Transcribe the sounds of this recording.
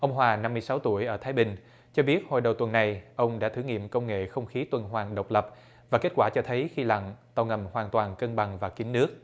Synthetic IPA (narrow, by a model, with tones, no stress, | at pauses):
ʔə˧wŋ͡mɦwaː˨˩na˧mːɨ˧əjsa˨˦wt̪u˧˩əjʔəː˧˩t̪ʰaː˨˦jɓï˨˩ŋ̟ | t͡ɕɔ˧ɓi˦˥ət̚ho̰˨˩jɗə˨˩wt̪wə˨˩nːa˨˩jʔə˧wŋ͡mɗa̰ː˧˥t̪ʰɨ˧˩˦ŋḭ˧˨əmkə˧wŋ͡mŋḛ˧˨xə˧wŋ͡mxi˨˦t̪wə˨˩nɦwaː˨˩ŋɗə˨˩wk͡p̚lə˨˩p̚ | vaː˨˩ke˦˥t̚kwaː˧˩t͡ɕɔ˧t̪ʰə˨˦jxi˧la̰˧˨ŋt̪a˧˩wŋə˨˩mhwaː˨˩nt̪waː˨˩nkə˧nɓa˨˩ŋvaː˨˩kï˨˦ŋ̟nɨ˦˥ək̚